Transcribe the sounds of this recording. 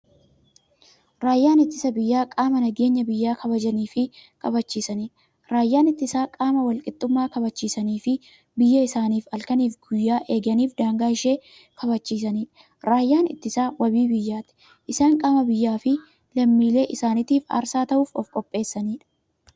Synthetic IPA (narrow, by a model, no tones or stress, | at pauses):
ɾaːjːaːnɪt̪ːɪsɐbɪjːaːkʼaːmɐnɐɡe̞ːɲːɐbɪjːaːkʰɐbɐd͡ʒɐniːfɪkɐbɐt͡ʃːiːsɐniːᶑɐ̥ | ɾaːjːaːnɪt̪ːɪsaːkʼaːmɐwɐlkʼɪt̪ʼːʊmːaːkɐbɐt͡ʃːiːsɐniːfɪ | bɪjːɐɪsaːniːfɐlkɐniːfɡʊjːaːʔe̞ːɡɐniːfd̪aːŋɡaːɪʃe̞ː | kɐbɐt͡ʃːiːsɐniːᶑɐ̥ | ɾaːjːaːnɪ̰t̪ːɪsaːwɐbiːbɪjːaːt̪ɪ̥ | ʔɪsaːŋkʼaːmɐbɪjːaːfɪ | lɐmːiːle̞ːʔɪsaːnɪt̪iːfa̰ːɾsaːt̪ɐʔuːfɔ̰fkʼɔpʼːe̞ːsːɐniːᶑɐ̥